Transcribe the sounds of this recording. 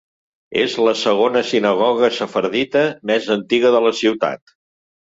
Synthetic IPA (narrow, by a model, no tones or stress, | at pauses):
ḛzləsəɣonəsinəɣ̞ɔɣ̞əsəfəɾðit̪əmɛzənt̪iɣəðələsiwt̪a̰t̪